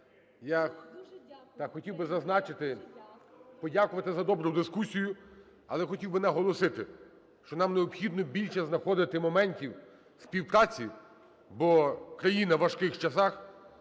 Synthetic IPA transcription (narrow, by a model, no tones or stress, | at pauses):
ja | t̪ɑxɔtʲiwbɪzɐznɑt͡ʃɪt̪ɪ | pɔdʲakʊʋɐt̪ɪzɐd̪ɔbɾʊd̪ɪskusʲijʊ | ɐlˠɛxɔtʲiwbɪnɛɦɔlˠɔsɪt̪ɪ | ʃt͡ʃɔnɑmneɔbxʲid̪nɔbʲilʲt͡ʃɛznɐxɔd̪ɪt̪ɪmɔmɛnʲtʲiw | spʲiwpɾɑt͡sʲi | bɔkɾɐjinɐʋɐʃkɪxt͡ʃɐsɑx